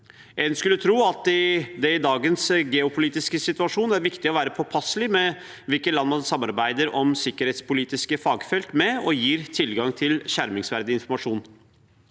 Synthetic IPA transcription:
ʔɛːnskʉlːət̪ʰɾuːɑt̪ɪd̪ɛɪd̪ɑːɡənsɡɛʊpʰʊliːt̪ɪskəsɪt̪ʉɑʂuːnæɾʋɪkt̪ɪɔʋæːɾəpʰɔpʰɑslɪmɛ | ʋɪlkət̪lɑnmɑnsɑmːɑɾbæɪd̪əɾɔmsɪkːəɾhɛːt̪spʊliːt̪ɪskəfɑːɡfɛlk̪mɛɔjiːɾt̪ʰɪlɡɑŋt̪ʰɪlçæɾmɪŋsʋæɾd̪ɪɪnfɔɾmɑʂuːn

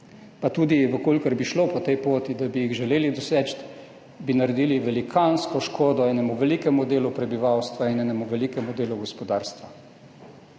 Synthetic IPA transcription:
pat̪uːd̪iʋəkolkəɾbiʃlopɔt̪ɛjpoːt̪id̪abijiɣʒɛleːlid̪ɔsɛt͡ʃt̪ | binaɾɛd̪iːliʋɛlikʰanskɔʃkoːd̪ɔɛːnɛmuʋɛlikɛmud̪eːlupɾɛbiʋawst̪ʋainɛːnɛmuʋɛlikɛmud̪eːluɡɔspɔd̪aːɾst̪ʋa

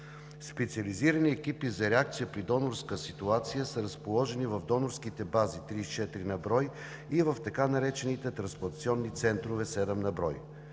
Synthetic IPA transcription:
spɛt̪siɐliziɾəniɛkipizɐɾɛak̚t̪sijəpɾid̪ɔnoɾskəsit̪uat̪sijəsɐɾɐspolˠɔʒɛnivɐvd̪ɔnoɾskit̪ɛbazit̪ɾit͡ʃɛt̪ɾinɐbɾɔj | ivɐft̪ɐkanɐɾɛt͡ʃɛnit̪ɛt̪ɾɐnspot̪siɔnːit̪sɛnt̪ɾovɛsɛd̪ɛmnɐbɾɔj

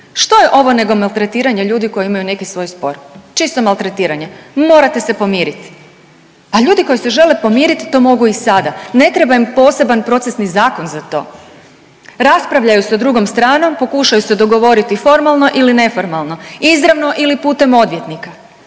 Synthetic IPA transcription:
ʃt̪o̞jeʔo̞ʋo̞ne̞ɡo̞malˠt̪ɾe̞t̪iːɾaɲeʎuːd̪iko̞jeimajune̞kisʋo̞ːjspo̞̰ɾt͡ʃist̪o̞malˠt̪ɾet̪iːɾaɲe̞mo̞ɾat̪e̞se̞po̞miːɾit̪i̥ | aʎuːd̪iko̞jise̞ʒe̞lepo̞mjiːɾit̪i̥t̪o̞mo̞ɡuisad̪ane̞t̪ɾe̞bajimpo̞ːse̞banpɾo̞t̪sesnizaːko̞nzat̪o̞̰ː | ɾaspɾaʋʎajusad̪ɾuɡo̞mst̪ɾaːno̞mpo̞kuʃajuse̞d̪o̞ɡo̞ʋo̞ɾit̪ifo̞ɾmalˠno̞ʔiline̞fo̞ɾmalˠno̞izɾaʋno̞ʔilipuːt̪e̞mo̞d̪ʋje̞t̪nika

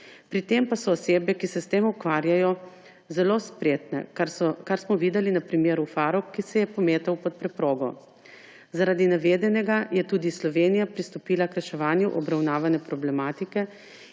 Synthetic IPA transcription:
pɾit̪empasɔːseːbɛkisɛst̪eːmukʋaːɾjajɔ | zɛloːspɾeːt̪nɛ̰kaɾsmɔʋiːd̪ɛlinapɾimeːɾufaɾɔwkːisɛjɛpɔmeːt̪ɛwpɔt̪̚pɾɛpɾoːɡɔ | zaɾaːd̪inaʋeːd̪ɛnɛɡajɛt̪uːd̪islɔʋeːnijapɾist̪ɔpiːlakɾɛʃɛʋaːnjuʔɔbɾawnaːʋanɛpɾɔblɛmaːt̪ikɛ

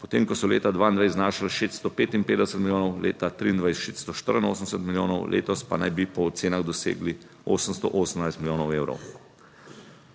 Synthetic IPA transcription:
pɔt̪eːmkɔsɔlḛːt̪ad̪ʋaːind̪ʋajznaːʃalʃest̪st̪ɔpeːt̪inmpeːd̪ɛsət̪milʲjoːnɔwlḛːt̪at̪ɾiːnd̪ʋajsʃet̪st̪ɔʃt̪əɾəno̰ːsənsət̪miljoːnɔwlʔḛːt̪ɔspa̰najbipɔːt̪seːnaɣd̪ɔsḛːɡli | oːsəmst̪ɔ̰ʔoːsəmnajst̪miljoːnɔweːwɾɔ̰w

